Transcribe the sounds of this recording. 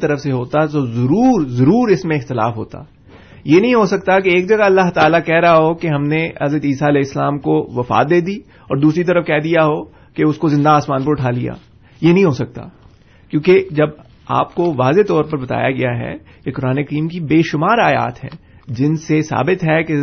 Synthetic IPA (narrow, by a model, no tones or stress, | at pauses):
t̪ɐɾəfseɦoːt̪at̪ozɐɾuːɾzɐɾuːɾɪsmẽɪxt̪ɪla̰ːfɦo̰ːt̪a̰ː | jenɐɦĩɦosɐk̚t̪akeeːk̚d͡ʒɐɡaɐlːaɦt̪aːlakɛːɾɐɦaɦokeɦɐmneɐzɾət̪iːsaɐlɛːɪsːəlaːmkoʋɐfa̰ːt̪̚d̪eːd̪iː | ɔ̰ːɾd̪uːsɾit̪̬ɐɾəfkɛːd̪ijaɦo | keʊskozɪ̃nd̪aːsmaːnp̬ɐɾʊʈʰaːlija̰ː | jenɐɦĩɦoːsɐk̚t̪a̰ | kjõːked͡ʒɐb | a̰ːpkoʋaːzet̪ɔːɾpɐɾbɐt̪a̰ːjaɡɐjaɦɛ̰ | kekʊɾaːneɐkɐɾiːmkibeːʃʊmaːɾaːja̰ːt̪ɦɛ̰̃ː | d͡ʒɪnsesa̰ːbɪt̪ɦɛke